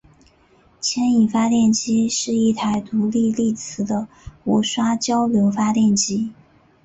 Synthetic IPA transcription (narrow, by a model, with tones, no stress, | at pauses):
t͡ɕʰjɛ˥ni˨˩fa˥t̪jɛ˥˩nt͡ɕi˥ʂɻ̩˥˧i˥˩t̪ʰa˧˥ɪt̪u˧˥li˥˧li˥˩t͡sʰɹ̩˧˥d̪ə˧ | u˧˥ʂwa˥t͡ɕjɑ˥ʊljo˧˥ʊfa˥t̪jɛ˥˩nt͡ɕi˥